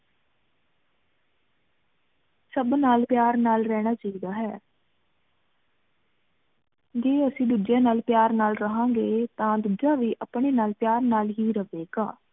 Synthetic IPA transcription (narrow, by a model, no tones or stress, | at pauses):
səbnaːlpjaːɾnaːlɾɛːɽ̃aːt͡ʃaːiːd̪aːɦɛː | d͡ʒeːəsĩːd̪uːd͡ʒjãːnaːlpjaːɾnaːlɾəɦãːŋɡeːt̪ãːd̪uːd͡ʒãːʋiːʔəpɽeːnaːlpjaːɾnaːlɦiːɾəʋeːɡaː